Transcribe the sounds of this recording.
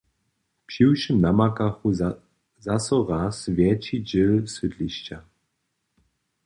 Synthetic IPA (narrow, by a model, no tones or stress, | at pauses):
pɕiwʃəmnamakaxu | zasɔʁasvʲjɛt͡ɕid͡ʑɪlsɨdliɕt͡ɕa